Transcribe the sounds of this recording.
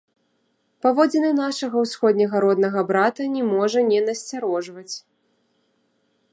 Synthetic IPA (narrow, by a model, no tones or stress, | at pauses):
pavɔd͡zʲɛnɨnaʂɐɣɐwsxɔd̪ʲnʲɐɣɐɾɔd̪nɐɣɐbɾat̪ɐnʲɛmɔʐɐnʲɛnɐsʲt͡sʲaɾɔʐvɐt͡sʲ